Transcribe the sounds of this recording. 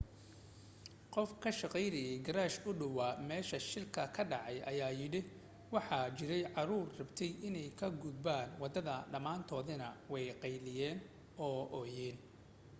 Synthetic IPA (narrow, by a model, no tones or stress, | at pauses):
qɔfkʰɐʃɑqɛjɾɐjɛjɡɐɾaːʃʊɖɐwamɛːʃɐʃɪlkʰɐkʰɐɖɑʕɑjʔɐjaːjɪɽɪ | wɑħɑːt͡ʃɪɾɛjʕɑɾuːrrɐbt̪ʰɛjɪnɛjkʰɐɡʊd̪baːnwɑd̪ɐðɐɖɐmaːnt̪ʰɔːðɪnɐwɛjqɛjlɪjɛːn | ɔːʔɔːjɛn